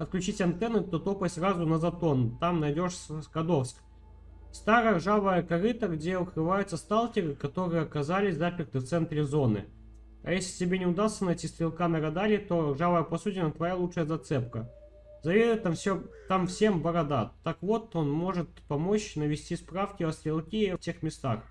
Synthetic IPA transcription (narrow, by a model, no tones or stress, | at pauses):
ɐt̪̚klʲʉt͡ɕitʲɐnt̪ɛnːɨt̪ot̪o̞pəsʲrazʊnəzɐt̪o̞nt̪amnɐjdʲo̞ʂskɐd̪ofsk | st̪aɾəjəʐavəjəkɐɾɨt̪əɡdʲeʊkɾɨvajʊt̪səst̪alˠtʲɪɾɨkɐt̪o̞ɾɨjəɐkɐzalʲɪsʲzapʲɪrt̪ɨft̪sɛnt̪ɾʲɪzo̞nɨ̰ | ɐ̰jesʲlʲɪtʲɪbʲenʲɪʊd̪ast̪sənɐjtʲist̪ɾʲɪlˠkanəɾɐd̪alʲɪt̪o̞ʐavəjəpɐsutʲɪnət̪vɐjalˠuʂɨjəzɐt̪sɛpkə | zɐvʲed̪ʊjt̪ːamfsʲot̪amfsʲe̞mbɐɾɐd̪at̪ːakvo̞t̪o̞nmo̞ʐɨt̪̚pɐmo̞t͡ɕnəvʲɪsʲtʲispɾafkʲɪɐst̪ɾʲɪlˠkʲiɐftʲe̞xmʲɪst̪ax